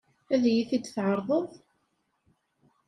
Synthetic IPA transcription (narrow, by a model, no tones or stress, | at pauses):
æðjiθid̪θʕəɾˤðˤəðˤ